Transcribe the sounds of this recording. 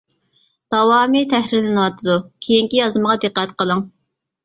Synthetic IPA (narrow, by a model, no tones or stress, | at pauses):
d̪̥ɑwɑːmit̪ʰɛhɾɪɾlɪnɨwɑt̪ʰɨd̪ukʲʰejiŋkʲijɑzɨməʁɑd̪ɨqːɛt̪qʰəlˠɨŋ